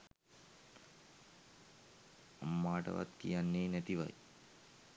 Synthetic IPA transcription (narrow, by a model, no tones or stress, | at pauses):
amːaːʈə̰ʋa̰t̪kḭjanːeːnæt̪iʋa̰j